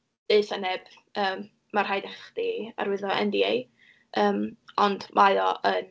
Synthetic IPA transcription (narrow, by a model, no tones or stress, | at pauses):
d̥eɨθənɛb̥ | əːm | marɦajdɛχdia̰ɾwɪðɔʔɛ̰ndiej | ʔəːmɔnd̥mʔaɨɔʔən